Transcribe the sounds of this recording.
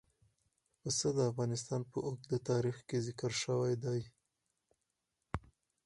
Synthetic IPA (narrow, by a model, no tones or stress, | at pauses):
pəsəd̪əafɣɑnɪst̪ɑnpəʔok̚d̪ət̪ɑɾixkezɪkəɾʃəwajd̪ɑj